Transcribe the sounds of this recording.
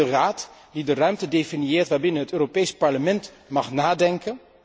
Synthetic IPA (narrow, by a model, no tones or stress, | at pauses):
əraːtdidərœɥmtədefɪniɪːɹtʋaːɹbɪnəɦətøːropejspɑɹləmɛnt | mɑχnaːdɛŋkən